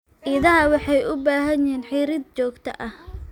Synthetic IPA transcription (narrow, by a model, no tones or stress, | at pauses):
ʔɪðɐɦɐwɑħɑjʔʊbaːɦɐɲjɛːnħiːɾɪd̪̚t͡ʃɔːɡt̪ʰɐ̰ʔɐh